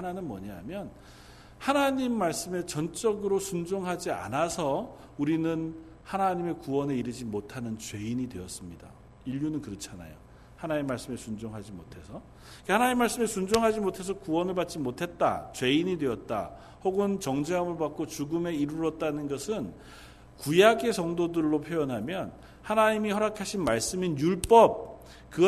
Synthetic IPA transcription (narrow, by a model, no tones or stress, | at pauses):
hananɯnmʌ̰ɲaɦamjʌn | hanaɲimːaɭs͈ɯme̞t͡ɕʌnt͡ɕ͈ʌɡɯɾosʰund͡ʑoŋɦad͡ʑia̰nasʰʌ | uɾinɯn | hanaɲime̞kuwʌne̞iɾɯd͡ʑimotʰanɯnt͡ɕwe̞iɲidwe̞ʌs͈ɯmɲida̰ | iʎːunɯnkɯɾʌt͡ɕʰana̰jo̰ | hanaɲimːaɭs͈ɯmesʰund͡ʑoŋɦad͡ʑimotʰe̞sʰʌ | ik͈ahanaɲimːaɭs͈ɯmesʰund͡ʑoŋɦad͡ʑimotʰe̞s̬ʰʌkuwʌnɯɭbat̚t͡ɕ͈imotʰe̞t̚t͈a̰t͡ɕwe̞iɲidwe̞ʌt̚t͈a̰ | hoɡɯnt͡ɕʌŋd͡ʑeʌmɯɭpak͈̚ot͡ɕuɡɯme̞iɾuɾʌt̚t͈anɯnɡʌsʰɯn | kujaɡe̞sʌŋdodɯɭːopʰjojʌnɦamjʌn | hanaɲimihʌɾakʰaɕʰinmaɭs͈ɯminjuɭp͈ʌp̚ | kɯɡ